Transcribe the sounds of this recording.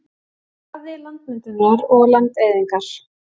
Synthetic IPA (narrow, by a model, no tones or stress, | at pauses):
avðɪlant̪̚mɪnt̪ʏnaɾɔɣlant̪ejðiŋkaɾ̥